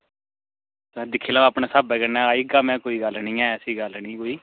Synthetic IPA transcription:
d̪ɪkʰːeːlaːaːpneːsaːbɛːkənãːaːiːɡaːmɛ̃ːkoːiːɡəlnĩːɛːəsiːɡəlnĩːkoːiː

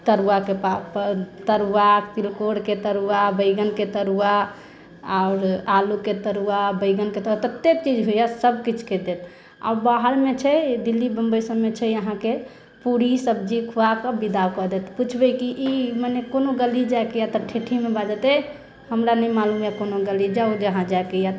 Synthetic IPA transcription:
t̪əɾuakepapt̪əɾuakt̪ilkoɽket̪əɾuabəɪɡənket̪əɾua | aʊɾaluket̪əɾuabəɪɡənket̪əat̪ət̪ːek̚t͡ʃid͡ʒɦojasəbkit͡ʃʰked̪et̪ | a̰ʊɾbaɦəɾmet͡ʃʰɛd̪ilːibəmbəjsəmːet͡ʃʰɛəɦãke | puɾisəb̚d͡ʒikʰuakəbid̪akɔd̪et̪put͡ʃʰbɛkiʔimanekonoɡəlid͡ʒaekejat̪ɔʈʰeʈʰimebad͡ʒət̪ɛ | həmɾanɛimalumjakonoɡəlid͡ʒaud͡ʒəɦãd͡ʒaekejat̪

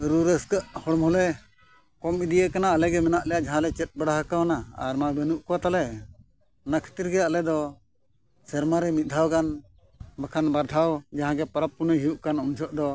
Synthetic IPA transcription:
ɾuɾəskəʔhɔɽɔmɔlɛ | kɔmid̪ijəkanaːlɛɡɛmɛnaʔlɛjaʔd͡ʒaɦãlɛt͡ʃɛt̪̚baɽaɦakawanaa̰ɾmabɛnuʔkɔwat̪alɛ | nakʰi̥t̪iɾɡɛalɛd̪ɔ | sɛɾmaɾɛmit̪̚ˀd̪ʱawkan | bakʰanbaɾʈ̪ʰawd͡ʒaɦãɡɛpaɾap̚ːunəɦijuʔkanunt͡ʃʰɔʔd̪ɔ

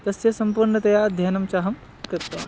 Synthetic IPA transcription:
t̪ɐsjɐsɐmpuɾɳɐt̪ɐjad̪ʱjɐːnɐmt͡ʃaːɦɐm | kɾɐɾt̪ːɐ

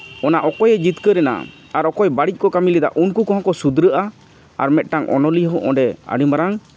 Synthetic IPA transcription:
ɔnaʔɔkɔjɛd͡ʒit̪kəɾɛna̰ | aɾɔkɔjbaɽic̚ˀkɔkamilid̪a̰ʔunkukɔ̃ɦɔ̃kɔsud̪ɾəʔa | a̰ɾmɛt̪̚ʈaŋʔɔ̰nɔliɦɔ̃ʔɔ̰̃ɖɛə̰ɖimbaɾaŋ

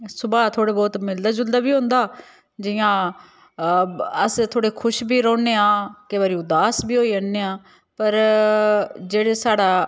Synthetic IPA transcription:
sʊbaːt̪ʰoːɽeːbɔːt̪mɪld̪aːd͡ʒʊld̪aːbiːɦoʊ̃nd̪aː | d͡ʒɪjãː | əst̪ʰoːɽeːkʰʊʃbiːɾɔːneːãːkeʋaːɾiːʊd̪aːsbʱiːɦoːiːənːeːãː | pəɾ | d͡ʒeːɽeːsaːɽaː

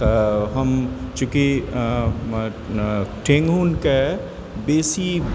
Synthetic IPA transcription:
ɦɐmt͡ʃuki | ʈʰẽŋɡunke | beːsi

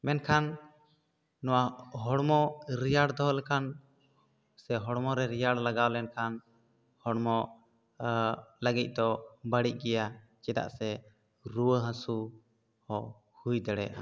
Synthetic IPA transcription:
mɛnkʰan | ɔwaɦɔɽmɔɾijaɽd̪ɔɦɔlɛkʰan | sɛɦɔɽmɔɾɛɾijaɽlaɡawlɛnkʰan | hɔɽmɔ | ləɡic̪̚ˀd̪ɔbəɽic̚ˀɡɛja | t͡ʃɛd̪a̰ʔsɛ | ɾuwəɦãsu | hɔ | hujd̪ɛɽɛ̰ʔa̰

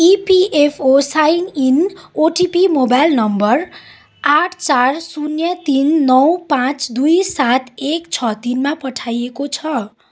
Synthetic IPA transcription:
ipiʔepʰosaininoʈipimobajlnʌmbʌr | aʈʰt͡sarsunjʌt̪inːʌwpãt͡sd̪ujsat̪ʰekt͡sʰʌt̪inmapʌʈʰajekot͡sʰʌ

